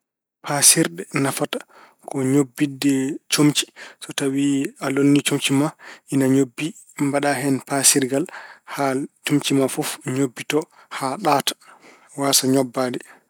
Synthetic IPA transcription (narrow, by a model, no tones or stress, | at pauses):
pʰasiɾɗɛnafatḁ | kɔɲobːidːɛt͡ʃomt͡ʃi̥sɔtawialonːit͡ʃomt͡ʃimaʔinaɲobːi | mbaɗaɦɛnpasiɾɡalhat͡ʃomt͡ʃimafɔfɲobːitɔ | haɗatḁ | waːsaɲɔbːadɛ